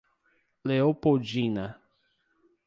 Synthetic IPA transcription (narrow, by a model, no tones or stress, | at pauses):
leopowd͡ʒĩnɐ